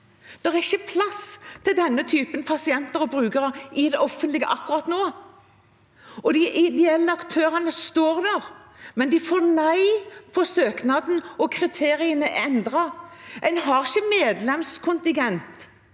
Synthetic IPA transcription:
d̪̥ɛʁɛɪçːəpʰlɑst̪ʰɪld̪ɛnːət̪ʰyːpənpʰɑsɪɛnt̪əɾɔbɾʉːɡəɾəɪd̪ɛʔɔfənt̪lɪɡə̰ʔɑkːʊʁɑt̪noː | ɔd̪ɪʔɪd̪ɛɛlːəɑkt̪ʰøːɾɑnəst̪oːɾd̪æʁmɛnd̪ɪfoːɾnæɪpʰɔsøːknɑd̪n̩ɔkʰʁɪt̪ʰeːɾɪənəʔɛnd̪ɾɑɛɪnɦɑʁɪçəmeːd̪lɛmskʰʊnt̪ɪɡɛnt̪

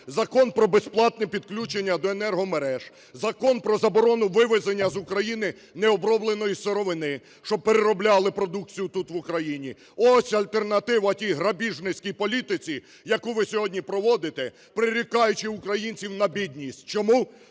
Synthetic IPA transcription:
zɐkɔnpɾɔbesplˠɑt̪nɛpʲid̪klʲut͡ʃenʲːɐd̪ɔenɛrɦɔmeɾɛʒ̥ | zɐkɔnpɾɔzɐbɔɾɔnʊʋɪʋɪzenʲːɐzʊkɾɐjinɪ | nɛɔbɾɔblˠenɔjiseɾɔʋɪnɪ | ʃt͡ʃɔb̚peɾeɾɔblʲɑlˠɪpɾɔd̪uk̚t͡sʲijʊt̪ut̪ʋʊkɾɐjinʲi | ɔsʲɐlʲt̪e̞rnɐt̪ɪʋɐtʲijɦɾɐbʲiʒnɪsʲkʲijpɔlʲit̪ɪt͡sʲi | jɐkuʋɪsʲɔɦɔdʲnʲipɾɔʋɔd̪ɪt̪ɛ | pɾɪɾʲikɑjʊt͡ʃɪʊkɾɐjinʲt͡sʲiwnɐbʲid̪ʲnʲisʲtʲt͡ʃɔmu

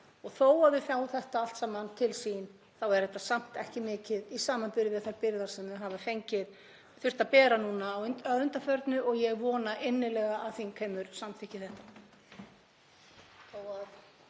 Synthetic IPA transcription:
ɔɣθoːwaðʏfjaːwθɛht̪aal̥t̪samant̪ʰɪlsin | θawɛɾ̥θɛht̪ːasam̥t̪ɛhcɪmɪːcɪðisaːmanpɪɾðɪaθajɾpɪɾðaɾsɛmɛɦavafejɲcɪɾ̥ | θʏr̥t̪apɛːɾanuːnaːwaðʏnt̪afœɾt̪nʏʔɔɣjɛɣvɔːnaʔɪnːɪlɛɣaʔaðθinkʰɛːmʏɾ̥samt̪ʰɪhcɪθɛht̪ḁ | θowað

